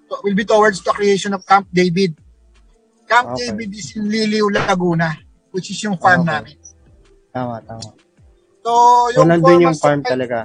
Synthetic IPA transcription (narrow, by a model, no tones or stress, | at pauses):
towɪlbit̪owɛɹd̪st̪ʊɐkɹɪejʃɔnɔvkamp̚d̪ejbɪd̪̚ | kamp̪̚ejbɪd̪̚ɪsɪnliːliʊlɐt̪ɐɡuːnɐ | wɪt͡ʃɪsjʊŋfaɹmnaːmɪn | t̪amat̪aːma | sojʊnɐndɪnjʊŋfaɹmt̪ɐlɐɡa